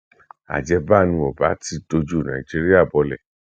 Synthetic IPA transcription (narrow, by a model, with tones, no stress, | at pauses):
a̰˨d͡ʒɛ˧ba˦˨nũ˧ɔ˨ba˨˦ti˧do˧d͡ʒu˦˨nã̰˨i˨d͡ʒi˧ɾi˦a˦˨bɔ˧lɛ̰˨